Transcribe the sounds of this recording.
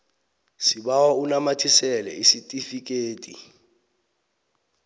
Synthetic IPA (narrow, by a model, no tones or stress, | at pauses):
siɓawaunamatʰisɛlɛ̰isitʼifik̬ʼeːtʼḭ